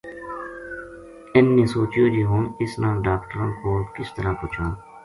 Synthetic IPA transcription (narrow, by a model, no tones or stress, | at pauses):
ɪnːẽːsoːt͡ʃjoːd͡ʒiːɦoːnɪsnãːɖaːkʈəɾõːnpoːkɪst̪əɾãːkoːt͡ʃʰãː